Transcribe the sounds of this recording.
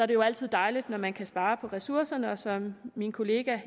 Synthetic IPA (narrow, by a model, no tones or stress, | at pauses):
sɒɐɾ̥e̝jo̝æl̰t͡sʰið̰ˠd̥ɑ̈ɪlid̥nɒmænkʰæsb̥ɑ̈ːpʰɒ̽ʁɛsuɐ̰sɐnəɒ̽sɒ̽mminkʰo̝le̝ːɡ̥æ